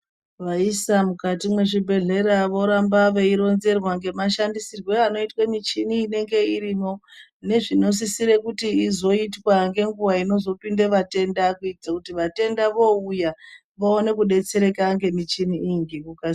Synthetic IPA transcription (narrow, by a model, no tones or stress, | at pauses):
ʋaisamukatimwe̞ʐibʱe̞ɮe̞ɾaʋo̞ɾambaʋe̞iɾo̞nze̞rwaŋɡe̞maʃandisirwe̞ano̞itwamit͡ʃiniːne̞ŋɡe̞iɾino̞ | ne̞ʐino̞s̬isiɾe̞kutiizo̞itwaŋɡe̞ŋɡuwaino̞zo̞pindeʋate̞ndakuitid͡zakutiʋate̞ndaʋo̞uja | ʋaone̞kuɗe̞t͡se̞ɾe̞kaŋɡe̞mit͡ʃiniːŋɡikuka